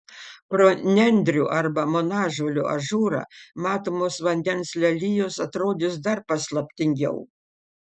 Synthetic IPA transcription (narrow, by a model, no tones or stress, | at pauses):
pɾoːnʲɛnʲd̪ʲɾʲuːʔɐɾbɐmonɑːʒoːlʲuɐ̰ʒuːɾɑ̰ːmɑːt̪oːmoːsʋɐnʲd̪ʲɛnslʲɛlʲɪjoːsɐt̪ɾoːd̪ʲɪsd̪ɐɾpɐslˠɐpʲt̪ʲɪŋʲɡʲɛ̰ʊ